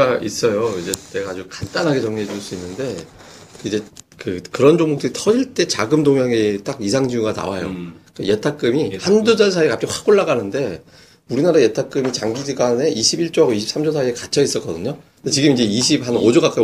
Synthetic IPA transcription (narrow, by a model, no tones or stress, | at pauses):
aʔis͈ʌjoid͡ʑe̞te̞ɡaːd͡ʑukant͈anɦaɡe̞t͡ɕʌŋɲiɦed͡ʑuɭs͈uinːɯnde̞ | kid͡ʑe̞kɯkɯɾʌnd͡ʑoŋmok̚t͈ɯɾitʰʌd͡ʑiɭt͈e̞t͡ɕaɡɯmdoŋjaŋet͈aɡisʰaŋd͡ʑiuɡana̰wajo̰kaje̞tʰak͈ɯmihandud͡ʑans̬ʰaikap̚t͡ɕ͈iɸwak͈oɭːaɡanɯnde̞ | uɾinaɾaje̞tʰak͈ɯmit͡ɕaŋɡid͡ʑiɡane̞ʔiɕʰibiɭt͡ɕ͈oaɡoiɕʰip̚s͈ʰamd͡ʑʰos̬ʰaiekat͡ɕʰʌis͈ʌk͈ʌdɯɲo | det͡ɕiɡɯmind͡ʑe̞iɕ̬ʰiphanod͡ʑoɡak͈a